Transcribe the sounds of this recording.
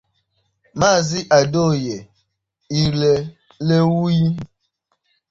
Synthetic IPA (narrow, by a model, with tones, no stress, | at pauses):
ma˦˨zi˦ʔa˨do˦˨je˨ | i˨le˨ | le˦wu˦ji˦